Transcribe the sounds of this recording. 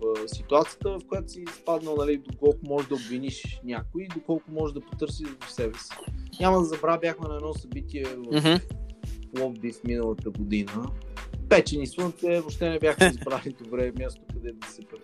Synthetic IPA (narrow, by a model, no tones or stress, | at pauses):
sit̪uat̪sijət̪əvɐfkojat̪o̥siːspad̪nəlˠnɐlid̪okɔlˠkʊmɔʒd̪ɐobviniʃnʲjakʊiːd̪okɔlˠkʊmɔʒɛʒd̪ɐpo̥t̪ɤɾsiʒvɐfsɛbɛsi̥nʲamɐd̪ɐzɐbɾabʲjaxmɛnɐɛd̪nɔsɐbit̪iɛvɐf | lˠɔvbifminəlˠət̪əɡod̪inəpɛt͡ʃɛniswənt̪ɛvoʃt̪ɛnɛbʲjaxmɛizbɾalid̪obɾɛmʲjast̪okɐd̪ɛt̪sɛp